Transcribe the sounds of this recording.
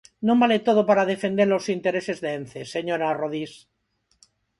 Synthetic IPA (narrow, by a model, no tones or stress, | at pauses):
nõmbalet̪oð̞opaɾaðefe̞nd̪eɾlo̞sint̪eɾese̞zðeenθeseɲoɾaroðis